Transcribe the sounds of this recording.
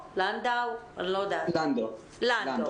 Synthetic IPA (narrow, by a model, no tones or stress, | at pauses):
landawə̰nlɔd̪aand | la